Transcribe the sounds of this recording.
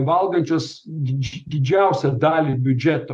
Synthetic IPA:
ʋɐlˠɡɐnʲt͡ʃʲoːs | d̪ʲd̪ʲɪd͡ʒʲæˑʊsʲɛd̪ɑːlʲibʲʊd͡ʒʲɛt̪o

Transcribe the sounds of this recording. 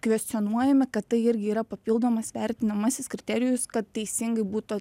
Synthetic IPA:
kʋʲɛsʲt̪ɪɔnuɔjɛmʲɪkɐt̪t̪ːɐɪɪɾʲɡʲɪiːɾɐpɐpʲilˠd̪oːmɐsʋʲɛɾʲt̪ʲɪnɐmɐsʲɪskɾʲɪt̪ʲɛɾʲɪjʊskɐt̪t̪ːʲɛɪsʲɪŋɡɐɪbuːt̪

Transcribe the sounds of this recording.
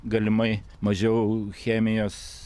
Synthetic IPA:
ɡɐlʲɪmɐɪ | mɐʒʲɛʊxʲæːmʲɪjoːs

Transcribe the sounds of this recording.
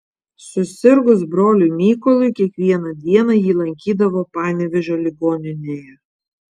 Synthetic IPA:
sʊsʲɪɾɡʊsbɾoːlʲʊmʲiːkɔlˠʊɪkʲiɛkʋʲiɛnɐd̪ʲiɛnɐjiːlˠɐŋʲkʲiːd̪ɐʋoːpɑːnʲɛʋʲɛʒʲoːlʲɪɡoːnʲɪnʲeːjɛ

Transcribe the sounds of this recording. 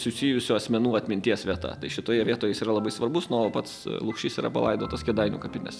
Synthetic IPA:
sʊsʲijʊsʲʊɐsʲmʲɛnuːɐt̪ʲmʲɪnʲt̪ʲiɛsʋʲiɛt̪ɐ̰t̪ɐɪʃʲɪt̪oːjɛʋʲiɛt̪oːjɛɪsiːɾɐlˠɐbɐɪsʋɐrbʊsnopɐt̪slˠʊkʃʲt͡ʃʲɪsiːɾɐ̰pɐ̰lˠɐ̰ɪd̪oːt̪ɐskʲɛd̪ɐɪnʲṵːkɐpʲɪnʲɛ̰s

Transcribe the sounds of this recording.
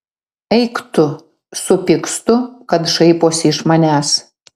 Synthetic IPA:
ɛɪkt̪ʊ | sʊpʲɪkst̪ʊkɐt̪ʃɐɪpoːsʲɪɪʃmɐnʲæːs

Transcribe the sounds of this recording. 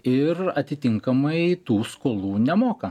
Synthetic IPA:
ɪɾɐt̪ʲɪt̪ʲɪŋkɐmɐɪt̪uːskoːlˠuːnʲɛmoːkɐ

